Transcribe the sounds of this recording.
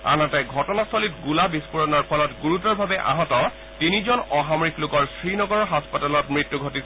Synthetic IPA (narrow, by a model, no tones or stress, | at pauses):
a̰nɔtɛɡʱɔtɔnast̪ʰɔlitɡulabispuɹɔnɔɹpʰɔlɔtɡuɹutɔɹbʱabɛʔa̰ɦɔtɔ | tinizɔnɔɦamɹiklʊkɔɹsɹinɔɡɔɹɔɦaspatalɔtmɹitːuɡʱɔtisɛ